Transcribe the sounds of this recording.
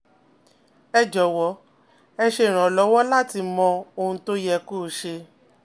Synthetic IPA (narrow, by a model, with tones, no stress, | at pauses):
ɛ˧d͡ʒɔ˨˦wɔ˨˦ | ɛ˧ʃe˧˨ɾ̃ã˨lɔ˨˦wɔ˦la˦ti˧mɔ̃˧o˧˨ũ˧to˦jɛ˧ko˦˨ʃe˧